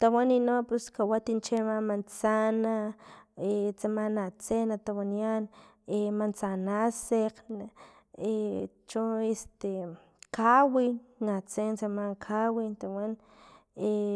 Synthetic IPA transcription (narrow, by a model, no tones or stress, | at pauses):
t̪awaninopuskawat̪int͡ʃemamant͡sana | et͡samanat͡senat̪awanianemant͡sanaseqn | et͡ʃuest̪e | kawinat͡sent͡samaŋkʰawint̪awan | e